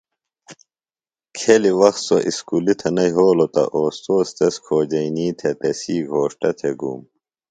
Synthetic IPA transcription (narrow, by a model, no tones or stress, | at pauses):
kʰeliwɐxt̪soʔiskulit̪ʰɐnɐjɦoːlot̪ɐ̰ʔoːst̪oːst̪eskʰoːd͡ʑɐiniːt̪ʰet̪esiːɡʱoːʂʈɐt̪ʰeɡṵːm